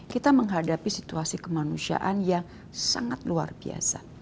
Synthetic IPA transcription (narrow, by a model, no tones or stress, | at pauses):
kit̪aməŋɦadapisit̪uasikəmanusia̰ʔanjaŋ | sa̰ŋat̪̚lua̰rbia̰sa